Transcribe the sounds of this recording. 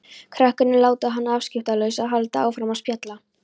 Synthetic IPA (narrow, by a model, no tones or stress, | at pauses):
kʰɾɛhkʏnɪlaːwt̪aɦanːaaːfscɪft̪alœɥsaðɦalt̪aa̰ːwfɾaːmaspjat̪la